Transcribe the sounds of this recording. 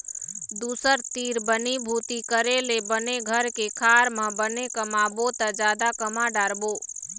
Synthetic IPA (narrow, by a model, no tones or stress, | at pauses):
d̪uːsəɾt̪iːɾbənibʱuːt̪ikəɾelebəneɡʱəɾkekʰaːɾmə̃bənekəmabot̪ad͡ʒjaːd̪akəmaɖaːɾboː